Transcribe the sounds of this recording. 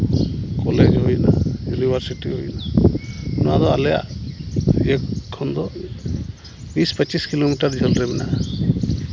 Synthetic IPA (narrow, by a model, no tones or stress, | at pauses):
kɔled͡ʒɦojna̰junibʱaɾsiʈiɦojna | nuwa̰d̪ɔa̰lɛja̰ʔ | ɛkkʰɔnd̪ɔ | bispət͡ʃiskilomiʈaɾd͡ʒʱəlɾɛbɛna̰